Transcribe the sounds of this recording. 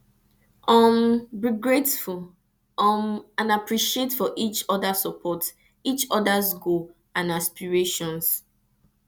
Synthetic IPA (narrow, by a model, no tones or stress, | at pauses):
ɔ̃mbiɡɹetful | ɔmãnapɹiʃietfɔʔit͡ʃɔdasəpʰɔt | it͡ʃɔdazɡu | ãnaspiɹeʃɔ̃ns